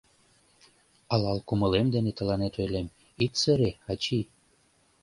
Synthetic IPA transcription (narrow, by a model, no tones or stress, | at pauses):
ɑlɑlkumə̆lemd̪enet̪ə̆lɑnet̪ojlem | it̪sə̆ɾeɑt͡ɕi